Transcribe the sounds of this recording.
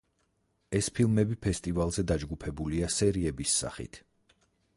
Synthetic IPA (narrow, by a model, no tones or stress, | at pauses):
ɛspʰilˠmɛbipʰɛst̪ʼivalˠzɛd̪ad͡ʒɡupʰɛbuliasɛɾiɛbisːa̰χḭt̪ʰ